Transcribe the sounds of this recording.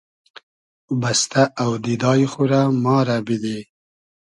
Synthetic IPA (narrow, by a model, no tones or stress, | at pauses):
bast̪aawd̪id̪ɑːjixuɾamɑːɾabid̪e